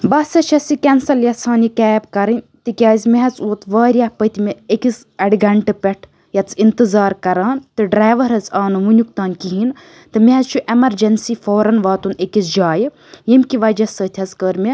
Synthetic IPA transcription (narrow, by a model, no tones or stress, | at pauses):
bɐsɐt͡ʃʰɐsikʲɛnsɐljɐsʰaːnikɛːbkɐɾɨnʲ | t̪ɨkʲjaːzʲmeɦɐt͡suːt̪ʋaːɾʲjahpət̪ʲʰimʲeekis | ɐɽɡɐɳʈɨpʲɛʈʰ | jɐt͡sint̪ɨzaːɾkɐɾaːnt̪ɨɖɾaːʋɐɾɐt͡saːnɨʋunʲukt̪aːnkiɦin | t̪ɨmʲeɦɐzt͡ʃʰuʔemɐɾd͡ʒɐnsifoːɾɐnʋaːt̪unekisd͡ʒaːj | jemkiʋɐd͡ʒɐsəːt̪ʲʰɐzkəːɾmʲe